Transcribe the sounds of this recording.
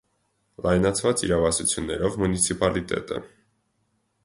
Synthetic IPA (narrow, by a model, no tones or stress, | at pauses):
lɑjnɑt͡sʰvɑt͡siɾɑvɑsut͡sʰjunːɛɾɔvmunit͡sʰipɑlit̪ɛ̰t̪ə̰